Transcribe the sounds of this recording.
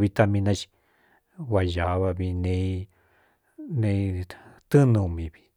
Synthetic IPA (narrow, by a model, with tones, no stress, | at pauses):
βi˧t̪a˧mĩ˧nã˧t͡ʃi̥˧ | wa˧ja˨˦βa˧βi˧nẽ˧ | nẽ˧t̪ɨ˦nũ˧mĩ˨βi˧